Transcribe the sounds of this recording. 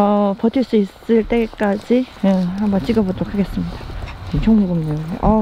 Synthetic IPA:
ʌpʌtʰiɭs͈uis͈ɯɭt͈e̞k͈ad͡ʑiehambʌnt͡ɕ͈iɡʌbotʰokʰaɡe̞s͈ɯmɲid̥at͡ɕʰʌŋbuɡɯmɲoʔʌ

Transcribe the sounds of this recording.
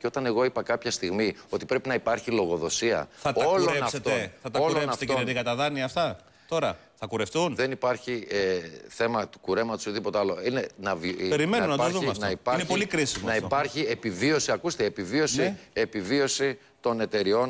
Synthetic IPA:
ceo̞t̪ɐne̞ɣo̞ipɐkɐpçɐst̪iɣmio̞t̪i̥pɾe̞pinɐipɐɾçilo̞ɣo̞ðo̞siɐ̰θɐto̞lonɐst̪oθɐt̪ɐollonɐfft̪oðikɐt̪ɐðɐniɐft̪ɐ | t̪o̞ɾɐ | θɐkuɾefθunðe̞nipɐɾçieθe̞mɐt̪u̥kuɾe̞mɐt̪osðipot̪eɐlo̞ine̞nɐvpeɾimenunɐtðuɐftnɐɐipɐɾinepolikɾisinɐipɐɾçie̞pivio̞siɐkust̪eepivio̞sie̞pivio̞si | t̪o̞ne̞t̪e̞ɾio̞n

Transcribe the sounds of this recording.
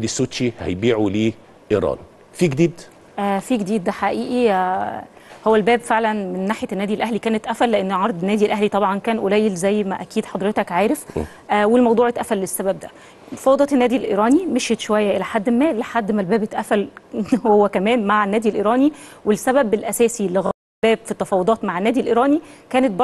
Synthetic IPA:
d̪isːot̪ʃihæ̰jbiːʕuliː | ʔiɾˤɑ̰ːn | fiːɡed̪iːd̪ | ʔæfiːɡed̪iːd̪̚ːæħaʔiːʔi | howːælbæːbfeʕlænmenːaːħjænːæːd̪ilʔæɦlikæːnet̪ʔæfælːeʔenːʕɑɾˤd̪ˤenːæːd̪ilʔæɦlit̪ˤɑbʕɑnkæːnʔolæjːelzæjːmæʔækiːd̪ħɑd̪ˤɾet̪ɑkʕaːɾef | ʔæːwelmɑwd̪ˤuːʕet̪ʔæfælːesːæbæb̚d̪æ | mɑ̥fɑwːd̪ɑt̪enːæːd̪ilʔḛɾɑːnimeʃet̪ʃowæjːæʔelæħad̪ːemːæːleħad̪ːmælbæːbet̪ʔæfælhowːækæmæːnmaʕenːæːd̪ilʔeɾɑːniwelsæbæbelʔæsæːsilːeɣæ | lbæːbfit̪ːɑfɑːwod̪ˤɑːt̪maʕenːæːd̪ilʔeɾˤɑːnikæːnet̪̚bɑ

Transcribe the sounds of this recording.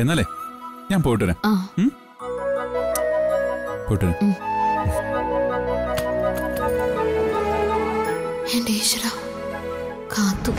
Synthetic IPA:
enːaːlḛɲaːnpoːjiʈːʋɐɾḛmaː | poːjiʈːuɐɾɐ | endeɕra | kʰaːt̪ːu

